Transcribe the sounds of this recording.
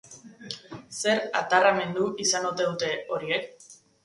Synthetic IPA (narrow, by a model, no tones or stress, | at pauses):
se̞ɾa̰t̪arame̞nd̪uʔisanot̪e̞ðut̪e̞o̞ɾie̞k